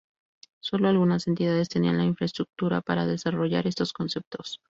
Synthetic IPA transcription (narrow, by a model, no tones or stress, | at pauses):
so̞lo̞alɣunase̞nt̪ið̞að̞e̞st̪e̞nianlainfɾaest̪ɾuk̚t̪uɾa̰paɾa̰ðe̞saro̞ʝa̰ɾe̞st̪o̞sko̞nse̞p̚t̪o̞s